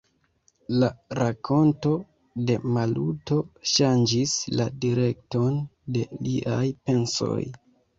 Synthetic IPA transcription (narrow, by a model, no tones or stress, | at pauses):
laɾakʰo̞nto̞ | de̞maluto̞ʃand͡ʒisladiɾe̞k̚to̞nde̞liʔajpe̞nso̞̰j